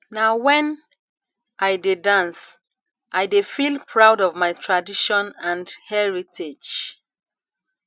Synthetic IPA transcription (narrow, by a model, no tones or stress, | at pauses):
naʊwɛ̃n | ʔajdedãns | ʔajdefilpʰɹaʊdɔvmaɪtʰɹadiʃɔ̃nãndhɛɹitʰed͡ʒ